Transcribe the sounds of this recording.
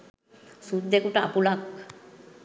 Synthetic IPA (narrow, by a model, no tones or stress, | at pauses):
sut̪̚d̪ekuʈaa̰pulak